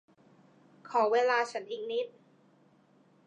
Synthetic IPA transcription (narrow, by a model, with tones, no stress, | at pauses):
kʰɔː˩˦weː˧laː˧t͡ɕʰa˦˥nʔiː˨˩k̚ni˦˥t̪̚